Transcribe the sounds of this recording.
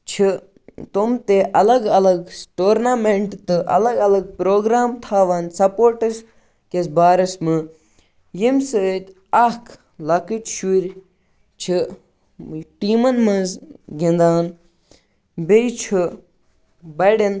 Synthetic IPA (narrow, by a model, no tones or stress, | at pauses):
t͡ʃʰi | t̪omt̪eʔɐlɐɡɐlɐɡʈoːɾnaːmeɳʈt̪ɨʔɐ̰lɐɡɐlɐɡ̚pɾoːɡɾaːmt̪ʰaːʋaːnsɐpoːɾʈɐs | kesbaːɾɐsmɨ | jimsɨt̪ʲ | ɐkʰ | lɐkiʈ̪ʃuɾʲ | t͡ʃʰi | ʈiːmɐnmɐzɡind̪aːn | bejt͡ʃʰi | bɐɖen